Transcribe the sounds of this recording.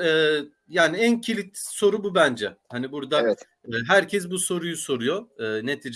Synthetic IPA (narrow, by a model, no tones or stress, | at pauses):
ɛː | jaːniæncʰilʲit̪so̞ɾububænd͡ʒɛhanibuɾd̪aɛ | ɦæɾcʰɛs̬buso̞ɾujuso̞ɾujoɯːne̞t̪ʰiːd͡ʒ